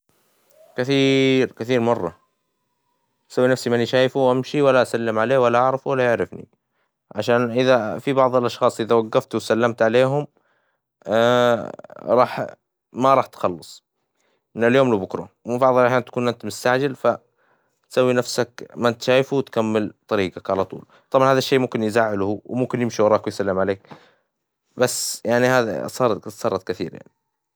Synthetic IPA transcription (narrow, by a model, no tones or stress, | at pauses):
kɪθiːɾkɪθiːɾmɑrˤːɑ | t̪sawːinafsimaniʃaːjfuʔamʃiwalːaʔasalːɪmʕaleːwalːaʔɑʕɾˤɑfuwalːajɪʕɾɪfnḭ | ʕaʃaːnʔɪðafibɑʕðˤɪlʔɑʃxɑːsˤʔɪðawaɡːɑft̪wsalːamt̪ʕaleːɦʊm | ɾˤɑːħ | maɾˤɑːħt̪xɑlːɑsˤ | ʔɪnːɪljoːmlubʊkɾo̰wbɑʕðˤɑlʔaħjaːnt̪ḁkuːnʔɪnt̪mʊst̪aʕd͡ʒɪlfa | t̪sawːinafsakmat̪ʃaːjfuwt̪kamːɪlt̪ˤɑɾiːɡakʕalat̪ˤṵːl | t̪ˤɑbʕɑnhaːðaʃːeːmʊmkɪnjzaːʕɪlhuwmʊmkɪnjɪmʃiwɑɾˤɑːkwɪjsalːɪmʕaleːk̚ | basːjaʕnihaːðḭsˤɑːɾˤsˤɑːɾˤɑt̪kɪθḭːɾja̰ʕni